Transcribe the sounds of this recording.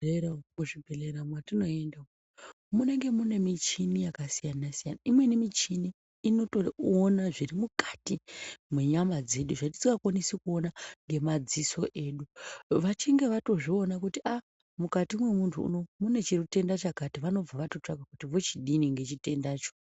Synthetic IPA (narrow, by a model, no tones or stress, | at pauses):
muʐibʱeleɾamwatino̞e̞ndao | mune̞ŋɡe̞mune̞mit͡ʃinijakasijanasijanaimwe̞nimit͡ʃiniː | no̞toːnaʐirimukḁtimweɲamad͡ze̞ɗuʐati̥t͡sikakwanisikuo̞naŋɡe̞mad͡ziso̞ʔe̞ɗuʋat͡ʃiŋɡe̞ʋato̞ʐio̞nakutia | mukatimwe̞muntʰuṵno̞mune̞t͡ʃirite̞ndat͡ʃakatiʋano̞b͡vaʋato̞t͡ʂaɡʱakutiʋo̞t͡ʃiɗiniŋɡe̞t͡ʃite̞ndaːt͡ʃo̥